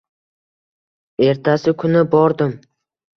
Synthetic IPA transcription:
e̞ɾt̪ʰasɪkʰʊnɪbɒɾd̪ɪm

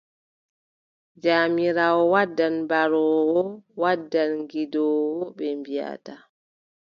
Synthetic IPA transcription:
d͡ʒaːmiɾawɔwadːanbaɾɔwɔwadːanŋɡidɔːwɔɓɛmbija̰ta

